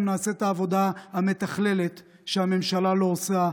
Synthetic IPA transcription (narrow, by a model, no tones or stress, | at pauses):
mnaːset̪aːvo̞d̪ahame̞t̪aχle̞let̪ | ʃeame̞mʃalalo̞ːsa